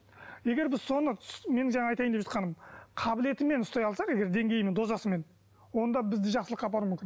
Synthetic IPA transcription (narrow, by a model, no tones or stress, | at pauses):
je̞ɡʲe̞ɾbɪzso̞nəme̞nɪŋʒɑɴɑɑjt̪ɑjəmd̪eʒɑ̥t̪qɑnəmqʰɑbɪle̞t̪ɪme̞nʊst̪ɑjɑlˠsɑqe̞ɡʲe̞ɾd̪e̞ŋɡʲe̞jɪme̞nd̪o̞zɑsəme̞n | wo̞nd̪ɑbɪzd̪ɪʒɑqsəlˠəqːɑbɑɾumʏmʲkʲɪn